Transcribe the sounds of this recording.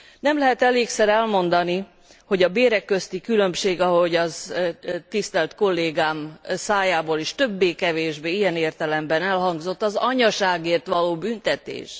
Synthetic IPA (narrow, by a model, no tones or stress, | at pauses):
nɛmlɛɦɛt̪ɛleːksɛɾɛlmo̞nd̪ɒni | ho̞ɟɒbeːɾɛkːø̞st̪ikylø̞mʃeːɡɒɦo̞ɟɒz | t̪ist̪ɛlt̪ko̞lːeːɡaːmsaːjaːboːliʃt̪ø̞bːeːkɛveːʒbeːijɛneːrt̪ɛlɛmbɛnɛlhɒŋɡzo̞t̪ːɒzɒɲɒʃaːɡeːrt̪ʋɒloːbynt̪ɛt̪ḛːʃ